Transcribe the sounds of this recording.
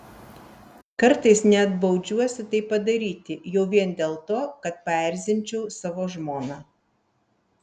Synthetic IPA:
kɐɾt̪ɐɪsnʲɛɐd̪bɒʊd͡ʒʲuɔsʲɪt̪ɐɪpːɐd̪ɐɾʲiːt̪ʲɪjɛʊʋʲiɛnd̪ʲeːlˠt̪oːkɐt̪̚pɐɛɾʲzʲɪnʲˑt͡ʃʲɛʊsɑʋoːʒmoːnɑː

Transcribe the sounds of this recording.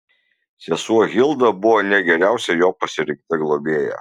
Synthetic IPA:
sʲɛsuɔɣʲɪlˠd̪ɐbʊʋoːnʲɛɡʲɛɾʲæˑʊsʲɛjoːpɐsʲɪɾʲɪ̃ŋk̚t̪ʲɪɡlˠobʲeːjɛ̰

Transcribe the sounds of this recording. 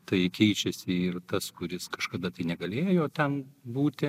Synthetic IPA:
t̪ɐɪkʲɛɪt͡ʃʲɛsʲɪɪrt̪ɐskʊɾʲɪskɐʃkɐd̪ɐt̪ɐɪnʲɛɡɐlʲeːjoːt̪ʲɛnbuːt̪ʲɪ

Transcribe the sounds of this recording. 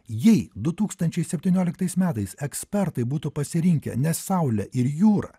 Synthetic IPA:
jɛɪd̪ʊt̪uːkst̪ɐnʲt͡ʃʲɛɪsʲɛpʲt̪ʲiːnʲuɔːlʲɪkt̪ɐɪsmʲæːt̪ɐɪsɛksʲpʲɛɾt̪ɐɪbuːt̪upɐsʲɪɾʲɪŋʲkʲɛ̰nʲɛssɐʊlʲɛʔɪɾjuːɾɐ̰

